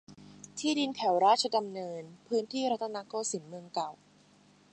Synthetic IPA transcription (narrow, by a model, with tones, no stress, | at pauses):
t̪ʰiː˥˩di˧nt̪ʰɛ˨˩˦wɾaː˦˥˩t̪̚t͡ɕʰa˧da˧mnɤː˧npʰɯː˦˥nt̪ʰiː˥˩ɾa˦˥t̪ʰːa˧naː˦˥koː˧si˩˦nmɯ˧əŋka˨˩w